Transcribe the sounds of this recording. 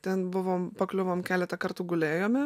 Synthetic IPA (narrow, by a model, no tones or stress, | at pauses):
t̪ʲɛnbʊʋoːmpɐklʲʊʋoːmkʲæːlʲɛt̪ɐkɐɾt̪ʊɡʊlʲeːjoːmʲɪ